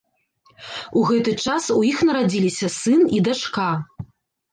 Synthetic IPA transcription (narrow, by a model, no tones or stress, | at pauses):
uɣɛt̪ɨt͡ʂasujixnɐɾad͡zʲilʲisʲɐsɨnid̪at͡ʂka